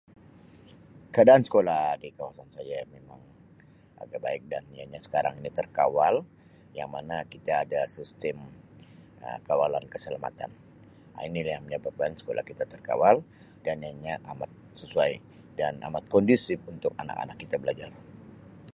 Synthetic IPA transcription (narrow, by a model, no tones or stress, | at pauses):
kəadaansə̥kolahdikawasansad͡ʒamemaŋ | ʔa̰ɡaba̰ɪk̚danja̰ɲasə̥kaɾa̰ŋinit̪ərkawal | jaŋmanakit̪aːdasist̪ɛm | ə̰kawalankəsəlama̰t̪a̰n | a̰inilaaməɲabap̚kansə̥ko̰lʔa̰hkit̪at̪ərka̰wal | danjaɲaʔamat̪̚səsuaj | dana̰mat̪̚kɔndisɪpunt̪ʊk̚a̰na̰ka̰nakːit̪abəlad͡ʒar